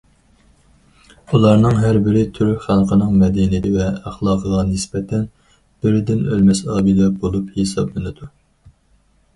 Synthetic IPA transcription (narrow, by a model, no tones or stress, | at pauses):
ulˠɑɾnɨŋɦæɾbɪɾɪt̪ʰyɾyχænqʰənɨŋmɛd̪ɛnid̪ɪvɛæχlˠɑːqʰəʁɑnɪsbɛt̪ʰɛn | b̥ɪɾɪd̪ɪnølmɛsɑːbilɛbolˠuphesɑ̰blɪnɪd̪u